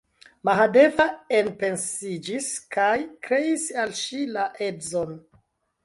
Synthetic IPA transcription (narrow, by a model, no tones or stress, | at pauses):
maɦade̞vaenpe̞nsid͡ʒiskajkɾe̞isalʃilaʔedzon